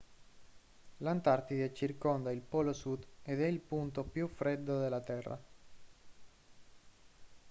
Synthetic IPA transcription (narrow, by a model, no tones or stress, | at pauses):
lant̪art̪id̪et͡ʃirkond̪ailpɔlosud̪ed̪ɛilpunt̪opjufɾed̪ːod̪elːat̪ɛrːa̰